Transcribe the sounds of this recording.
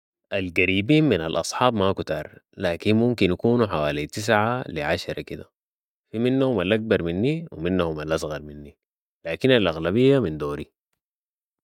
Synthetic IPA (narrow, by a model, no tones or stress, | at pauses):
ʔalɡaɾiːbiːnminalʔɑ̰sˤħɑːbmakut̪ɑɾˤlaːkinmumkinjakuːnuħawaːlit̪is̬ʕaliʕaʃɑɾˤɑ̰kid̪a | fiminːahumalʔak̚bɑɾˤminːiwḭminːahumalʔɑsɣɑɾˤminːi | laːkinalʔaɣlaβijːamind̪oːɾi